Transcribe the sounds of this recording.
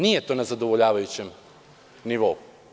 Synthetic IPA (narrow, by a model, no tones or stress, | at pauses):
nije̞t̪o̞ːnazad̪o̞ʋoʎaːʋajut͡ɕe̞m | niʋo̞u